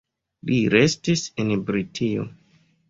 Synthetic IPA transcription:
liɾe̞stisenbɾitʰio̰

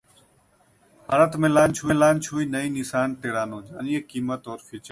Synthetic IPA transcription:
ha̰ːɾət̪mẽːlaːnt͡ʃʰuːẽːlaːnt͡ʃʰuːiːnəĩːnɪsaːnt̪eːɽaːnõːd͡ʒəniːeːkiːmət̪ɔːɾfiːt͡ʃə

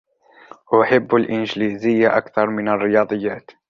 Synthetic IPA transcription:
wʔʊħɪbːalʔɪnd͡ʒliːzɪjːaʔakθɑɾˤmɪnarːɪjɑːd̪ˤɨjːaːt̪

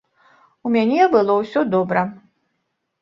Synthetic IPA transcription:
umʲanʲɛbɨlˠɔwsʲɔd̪ɔbɾɐ

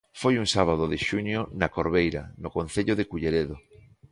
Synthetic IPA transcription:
fojuŋsaβ̞að̞oðɪʃuɲjonakoɾβejɾa̰nokonθeʎoðɪkuʎeɾeðo

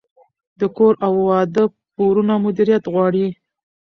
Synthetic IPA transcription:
d̪əkoɾawːɑd̪ə | poɾunamʊd̪iɾijat̪ɣwɑɽi

